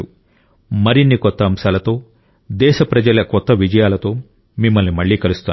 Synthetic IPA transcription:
u | mɐɾinːikɔt̪ːɐːmsaːlɐt̪o̞ː | d̪ɛːʃɐpɾɐd͡ʒɐlɐkɔt̪ːɐʋid͡ʒɐjaːlɐt̪o̞ː | mimːɐlnimɐɭːiːkɐlust̪aː

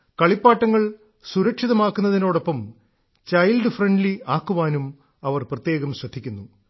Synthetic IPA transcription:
kɐɭipːaːʈːɐŋːɐɭ | suɾɐkʂiðɐmaːkːunːɐðino̞ːɽo̞pːɐm | t͡ɕɐjlɖɨfreɳɖliaːkːuʋaːnum | ɐʋɐrprɐt̪je̞ːɣɐmɕrɐd̪ʱikʲːunːu

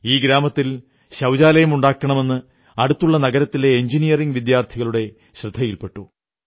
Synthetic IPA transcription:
iːɡɾaːmɐt̪ːil | ɕɐwd͡ʑaːlɐjɐmuɳɖaːkːɐɳɐme̞nːɨ | ɐɽut̪ːuɭːɐnɐɡɐɾɐt̪ːile̞ːɲd͡ʑinijɐriŋɡʋid̪jaːrt̪ʰiɣɐɭuɽe̞ | ɕrɨd̪ʱːɐjilpe̞ʈːu

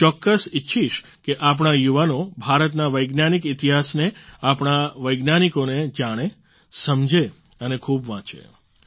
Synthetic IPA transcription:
t͡ʃɔkːəsɪtːʃʰiʃ | keʔap̬ɽ̃ajuʋanobʱaɾət̪naʋəjɡnanikɪt̪iɦasneapɳ̃aʋəjɡnanikoned͡ʒaɽ̃e | səmd͡ʒe | ənekʰubʋãt͡ʃḛ

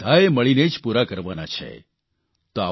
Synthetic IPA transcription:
d̪ʱaeməɭined͡ʒpuɾakəɾʋanat͡ʃʰḛ | t̪oa̰

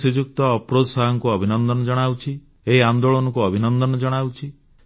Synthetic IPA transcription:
sid͡ʒuk̚t̪ɔːpɾod̪ɔsaɦɔŋkuɔbʱinɔnd̪ɔnɔd͡ʒɔɽ̃awt͡ʃʰi | eɦiand̪oɭɔnɔkuɔbʱinɔnd̪ɔnɔd͡ʒɔɽ̃awt͡ʃʰi

